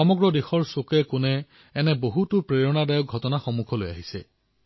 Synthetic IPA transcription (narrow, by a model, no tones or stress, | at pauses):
ɔmɔɡɹɔdexɔɹsokɛkʊnɛː | nɛboɦutʊpɹeɹɔnadajɔk̚ɔtɔnaxɔmukʰɔloja̰ɦisɛ̰